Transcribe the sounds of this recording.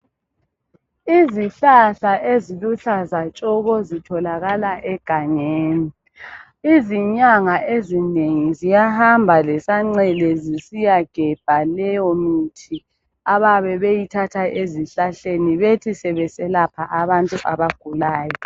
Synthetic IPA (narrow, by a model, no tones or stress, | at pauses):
iziɬaɬaʔeziluɬazat͡ʃʼɔɣɔzitʰɔlaɣalaʔɛɡ̥ʱaɲeːni | iziɲaŋaʔezineŋizijahambʱalɛsaŋ͡ǀɛlɛzisijaɡ̥ʱɛb̥ʱalɛjɔmitʰi | aβaβɛβejitʰatʰaʔeziɬaɬeniβetʰisɛβɛsɛlapʰaʔaβantʼuʔaβaɡ̥ʱulaːjɔ